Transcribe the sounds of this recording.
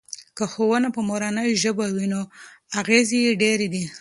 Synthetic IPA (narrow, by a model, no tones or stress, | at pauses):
kəxowənapəmoɾanəjʒəbawinoaɣezejeɖeɾed̪i